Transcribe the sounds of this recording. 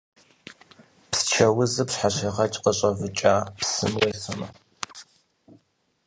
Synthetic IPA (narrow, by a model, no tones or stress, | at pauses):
pst͡ʃʰɐwʊzɨpsħaɕɐʁɐt͡ʃʼqəɕʼɐvɨt͡ʃʼaːpsɨ̰mweːsɨmɐ